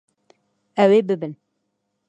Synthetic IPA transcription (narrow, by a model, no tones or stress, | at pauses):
ɛweːbɨbɨn